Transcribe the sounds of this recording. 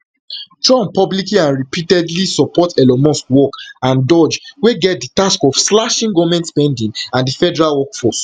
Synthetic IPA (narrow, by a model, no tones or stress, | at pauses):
tɹɔ̃mpɔblikliãnɹipitɛdlisɔpɔtɛlɔmɔskwɔkãndɔd͡ʒweɡɛt̚ditaskɔv̥slaʃĩŋɡɔvmɛ̃ntspɛ̃ndĩŋãndifɛdɛɹalwɔkfɔs